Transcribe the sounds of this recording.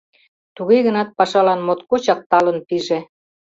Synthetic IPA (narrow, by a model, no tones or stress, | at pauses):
t̪uɣeɣənɑt̪̚pɑʃɑlɑnmot̪kot͡ɕɑk̚t̪ɑlənpiʒe